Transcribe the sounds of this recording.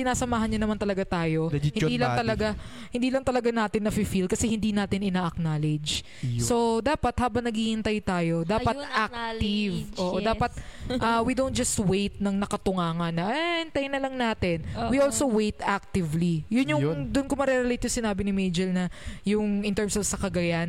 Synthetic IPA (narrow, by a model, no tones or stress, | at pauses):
sɪnaːsɐmaːhɐnɲɐnɐmant̪ɐlɐɡat̪aːjo̞hɪniːlɐŋt̪ɐlɐɡa | hɪnd̪iːlɐŋt̪ɐlɐɡanaːt̪ɪnːɐfifilkɐsɛhɪnd̪iːnaːt̪ɪnɪnaːʔɐk̚naːlɪd͡ʒ | so̞d̪aːpɐt̪̚haːbɐŋnɐɡihɪnt̪ajt̪aːjo̞d̪aːpɐt̪ʔak̚t̪ivoːʔod̪aːpɐt̪̚ʔɐwid̪ownt̪̚d͡ʒɐst̪wejt̪̚nɐŋnɐkɐt̪ʊŋaːŋɐnːɐʔɪnt̪ajnɐlɐŋnaːt̪ɪnwiʔolsowejt̪ʔak̚t̪ɪvlijʊnjʊd̪ʊnkomɐɾɛɾɛlejt̪jʊŋsɪnaːbɪnɪmejd͡ʒɛlnɐjʊŋɪnt̪ɛɹmsovsɐkɐɡɐjan